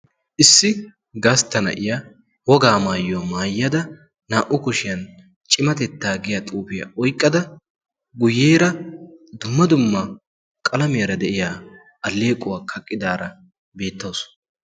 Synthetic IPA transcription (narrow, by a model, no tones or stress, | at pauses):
ʔɪsːɪ | ɡaːst̪ːɐnɐ̰ʔɪja | wɔɡaːmaːjʊwɐmaːjːɐd̪ɐ | naːʔʊkʊʃɪjɐn | t͡ʃʼɪmɐt̪ɛt̪ːaːɡɪjɐt̪ʼuːfɪjɐ̰ɔjkʼːɐd̪ɐ | ɡʊjːeːɾɐd̪ʊmːɐd̪ʊmːɐ | kʼɐlɐmɪjɐɾɐd̪ɛʔɪjaː | ʔɐlːe̞ːkʼʊwaːkʰɐkʼːɪd̪aːɾɐ | be̞ːt̪ːoːs